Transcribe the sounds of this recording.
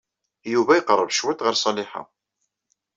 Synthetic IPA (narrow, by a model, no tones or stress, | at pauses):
juvæjəqrˤːəvʃwæt̪ʁəɾsˤɑlɪħa̰